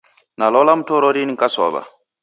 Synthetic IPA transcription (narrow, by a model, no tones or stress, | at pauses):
nalɔlamutɔɾoɾiniŋkasɔ̰βa̰